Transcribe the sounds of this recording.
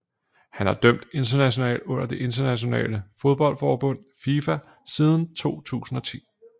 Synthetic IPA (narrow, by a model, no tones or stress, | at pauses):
hænhɑ̈d̥œm̰d̥e̝nd̥ɐnæɕ̬o̝nɛ̰ːld̥ɔ̽n̰ɐd̥e̝ʔe̝nd̥ɐnæɕo̝nɛ̰ːləfo̝ð̞ˠb̥ɒ̽l̰d̥fɒːb̥ɔ̽n̰fiːfæ | siːð̞ˠn̩t͡sʰo̝̰ːt͡sʰṵːsn̩ɒ̽t͡sʰḭː